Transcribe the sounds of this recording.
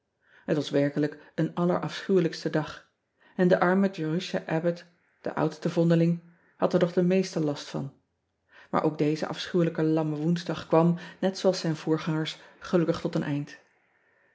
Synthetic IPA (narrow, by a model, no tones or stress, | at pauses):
ɦətʋɑsʋɛɹkələkənɑlə̰ɹʔɑfsχywləkstədɑχ | ɛndəʔɑɹmədoryʃa̰ʔɛbət | d̥ə̰ʔʌ̰wtstəvɔndəlɪŋ | hɑtəɹnɔχdəmejstəlɑstfɑ̰n | ma̰ːɹʔowɡ̚dejzə̰ʔɑ̰fsχywləkəlɑməʋunzdɑχkʋɑmnɛtsowɑlˠsɛjnv̥ʊːɹχɑŋəɹsχəlɵkəχtɔtənʔɛjnt